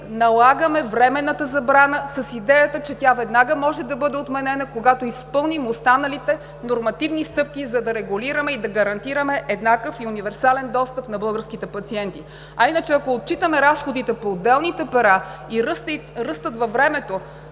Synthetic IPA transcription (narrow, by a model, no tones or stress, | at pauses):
nɐlˠaɡəmɛvɾɛmɛnːət̪əzɐbɾanəsɐsid̪ɛjət̪ət͡ʃɛt̪javɛd̪naɡəmɔʒɛd̪ɐbɤd̪ɛot̪mɛnɛnɐkoɡat̪oispɤlˠnimost̪anɐlit̪ɛ | noɾmɐt̪ivnist̪ɤp̚kʲizɐd̪ɐɾɛɡuliɾəmɛid̪ɐɡɐɾɐnt̪iɾəmɛʔɛd̪nakəfiunivɛɾsalɛnd̪ɔst̪əpnɐbɤlˠɡəɾskit̪ɛpɐt̪siɛnt̪i | ɐinət͡ʃɛɐkoːt̪̚t͡ʃit̪əmɛɾasxod̪it̪ɛpoːd̪ːɛlˠnit̪ɛpɛɾaiɾəst̪ɾɤst̪ət̪vɐvɾɛmɛt̪o